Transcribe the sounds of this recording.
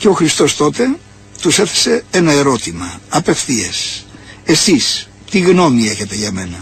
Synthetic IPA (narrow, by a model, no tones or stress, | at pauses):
ceo̞xɾist̪o̞st̪o̞t̪e̞ | t̪use̞θe̥se̞enɐeɾo̞t̪imɐɐpe̞fθiese̞sis | t̪iɣno̞mie̞çe̞t̪e̞ʝɐme̞nɐ